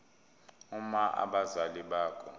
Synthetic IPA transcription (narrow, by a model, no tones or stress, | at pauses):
umaʔa̰ɓazaliɓaːkʰɔ